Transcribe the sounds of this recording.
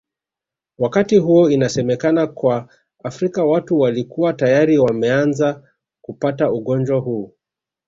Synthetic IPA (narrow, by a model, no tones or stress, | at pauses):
wakatiɦuɔinasɛmɛkanakwaː | fɾikawatuwalikuwatajaɾiwamɛanza | kupatauɠɔnd͡ʒwahuː